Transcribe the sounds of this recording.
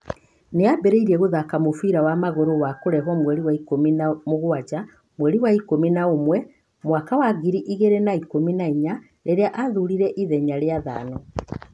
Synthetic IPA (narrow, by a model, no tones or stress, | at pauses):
neabɛɾeiɾiɛɣoðakamofiɾawamaɣoɾowakoɾɛɦɔmwɛɾiwaikominamoɣwad͡ʑa | mwɛɾiwaikominaomwɛ | mwakawaɡiɾiʔiɣeɾenaikominaiɲa | ɾeɾeaʔaðuɾiɾɛʔiðɛɲaɾeaða̰ːnɔ